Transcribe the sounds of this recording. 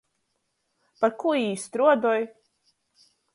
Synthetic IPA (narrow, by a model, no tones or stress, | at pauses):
paɾkuiːst̪ɾuɔd̪ɔj